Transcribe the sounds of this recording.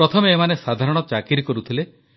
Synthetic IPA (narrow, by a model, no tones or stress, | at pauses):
ɾɔt̪ʰɔmeːmanesad̪ʱaɾɔɽ̃ɔt͡ʃakiɾkɔɾut̪ʰile